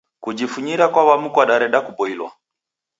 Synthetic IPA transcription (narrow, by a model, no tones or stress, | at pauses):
kud͡ʒifuɲiɾakwawamukwaɗaɾɛɗakubɔilwa̰